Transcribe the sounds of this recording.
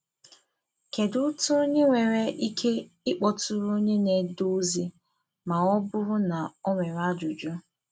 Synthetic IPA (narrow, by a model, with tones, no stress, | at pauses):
ke˨dʊ˦tʊ˦ɲe˦ŋʷe˨ɾe˨ʔi˦kʰe˦ | ɪ˦k͡pɔ˨tʊ˦ɾʊ˦ɲe˦ne˨du˦zi˦ | ma˨ɔ˦bʊ˦ɾʊ˦na˨ɔ˦ŋʷe˨ɾa˦d͡ʒʊ˨d͡ʒu˦